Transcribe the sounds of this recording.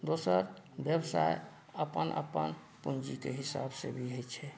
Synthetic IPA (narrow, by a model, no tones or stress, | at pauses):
d̪osəɾbjəbsa̰j | əpənʔə̰pə̰n | pund͡ʒikeɦisa̰bsebʱiɦojt͡ʃʰɛ